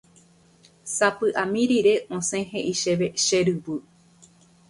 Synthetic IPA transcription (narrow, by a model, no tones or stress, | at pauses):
sapɨʔamĩɾiɾe̞ʔõsẽɦeʔiʃeʋeʃeɾɨbɨ